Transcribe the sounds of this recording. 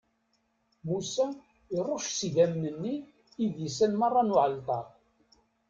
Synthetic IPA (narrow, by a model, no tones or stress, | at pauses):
musæ | iɾˤoʃsiʝæmnənːiː | ðjəsːænmɑrˤːɑnʊʕəlt̪ˤɑ